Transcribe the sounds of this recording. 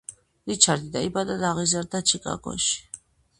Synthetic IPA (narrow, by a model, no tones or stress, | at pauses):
d̪it͡ʃʰaɾd̪id̪aibad̪ad̪aʁizaɾd̪at͡ʃʰikʼa̰ɡɔ̰ʃi̥